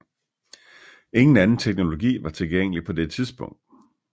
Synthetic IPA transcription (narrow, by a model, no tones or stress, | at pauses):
e̝ŋn̩ænn̩t͡sʰeɡ̥no̝lo̝ɡ̥ḭːʋɑ̈t͡sʰe̝lɡ̥eŋ̰əlipʰɒ̽d̥e̥t͡sʰiðˠsb̥ɔ̽ŋ̰d̥̚